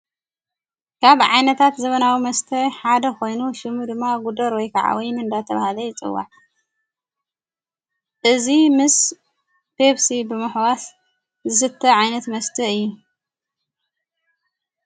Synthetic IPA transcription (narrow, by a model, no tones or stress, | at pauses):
kʰaβʕajnɐt̪ʰat̪zɐβɐnawimɐst̪ʰɐħad̪ɐko̞jnuʃɨmud̪ɨmːaɡud̪ɐɾwɔjkʰaʕa̰wɔjnɨnd̪at̪ʰɐβahalɐjɪt͡sʼɨ̰wːa̰ʕ | ʔɨzimɨs | b̥eβsibɨmɨħwas | zɨsɨt̪ʰːɐʕajnɐt̪mɐst̪ʰɐɨjːu